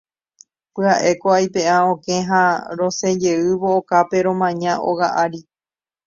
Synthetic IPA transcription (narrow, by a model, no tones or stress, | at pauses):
pɨaʔe̞koajpe̞aõkẽɦãɾõ̞sed͡ʒe̞ɨβoːkape̞ɾõ̞mãɲãʔo̰ɣaʔaɾi